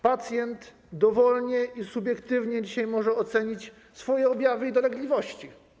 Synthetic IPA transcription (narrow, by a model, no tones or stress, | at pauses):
pat̪sʲjɛnt̪ | d̪ɔvɔlɲɛʔisubʲjɛkt̪ɘvɲɛd͡ʑiɕajmɔʐɛɔt̪sɛɲit͡ɕ | sfɔjɛɔbʲjavɘid̪ɔlɛɡlʲivɔɕt͡ɕi